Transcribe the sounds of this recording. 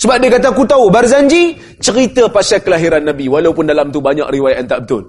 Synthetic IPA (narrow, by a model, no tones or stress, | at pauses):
səbap̚diəkat̪akut̪aubarzaɲd͡ʒi | t͡ʃəɾit̪əpasakːəlaɦiɾanːãbiwalaupʊndalamt̪ubaɲa̰ʔriwajaʔant̪aʔbət̪ʊl